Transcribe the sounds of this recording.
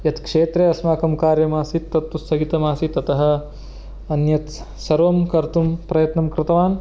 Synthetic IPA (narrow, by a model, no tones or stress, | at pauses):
jɐt̪kʂeːt̪ɾeɐsmaːkɐmkaːɾjɐmaːsit̪ːɐt̪ːusʰɐɡit̪ɐmaːsit̪ɐt̪ɐɦɐ̆ | ɐnjɐt̪ | sɐɾʋɐmkɐɾt̪umpɾɐjɐt̪nɐmkɾɪt̪ɐʋaːn